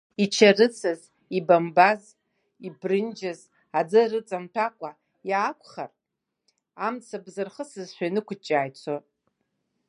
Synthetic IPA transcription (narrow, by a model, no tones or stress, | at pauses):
it͡ʃʰarɨt͡sʰɨz | ibambaz | ibrɨnd͡ʒaz | ad͡zɨrɨt͡sʼamtʰakʷʼa | jaːkʷʰχa̰r | amt͡sʰabzɨrχəsɨzʃʷᶣanɨkʷʰt͡ʃʼaːjt͡sʷʰo